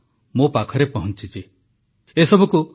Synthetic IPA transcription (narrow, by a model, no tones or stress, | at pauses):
mopakʰɔɾepɔɦɔnt͡ʃit͡ʃi | esɔbʱɔku